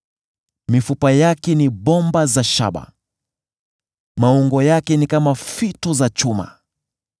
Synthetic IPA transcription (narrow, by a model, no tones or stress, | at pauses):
mifupajakɛniɓɔmbazaʃa̰ɓa̰ | mauŋɡɔjakɛnikamafitɔzat͡ʃuma̰